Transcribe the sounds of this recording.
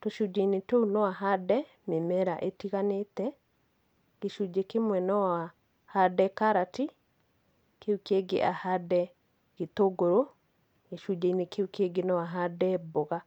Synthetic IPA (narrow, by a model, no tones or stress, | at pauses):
toʃud͡ʒeinetounɔwaɦadɛ | memɛɾa̰ʔetiɣanetɛ | ɡ̥eʃud͡ʒekemwɛnɔwa | hadɛkaɾati | keukeɡḛʔahadɛ | ɣ̥etoɡoɾo | ɡeʃud͡ʒainekeukeɡenɔwaɦadɛbɔɣa